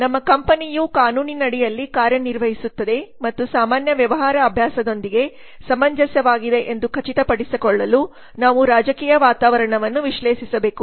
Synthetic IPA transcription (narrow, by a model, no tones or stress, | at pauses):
nɐmːɐkɐmpɐnijukaːnuːninɐɽijɐlːikaːɾjɐniɾʋɐɦisut̪ːɐd̪e̞mɐt̪ːusaːmaːnjɐʋjɐʋɐɦaːɾɐːbʱjaːsɐd̪o̞nd̪iɡe̞ | sɐmɐɲd͡ʒɐsjɐʋaːɡid̪e̞ʔend̪ukʰɐt͡ʃit̪ɐpɐɽisikɔɭːɐlu | naːʋuɾaːd͡ʒɐkiːjɐʋaːt̪aːʋɐɾɐɳɐʋɐnːuʋiʃleːʃisɐbe̞ːku